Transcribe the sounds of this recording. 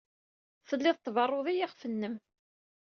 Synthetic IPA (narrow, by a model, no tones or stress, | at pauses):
θəlːɪðˤt̪ːˤvɑrˤːoðˤijaʁfənːəm